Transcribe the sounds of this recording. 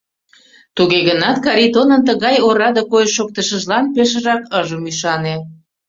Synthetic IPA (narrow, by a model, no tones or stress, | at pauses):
t̪uɣeɣənɑt̪kɑɾit̪onənt̪əɣɑjoɾɑd̪okojʃːok̚t̪əʃəʒlɑnpeʃ̬əʒɑkəʒəmyʃɑne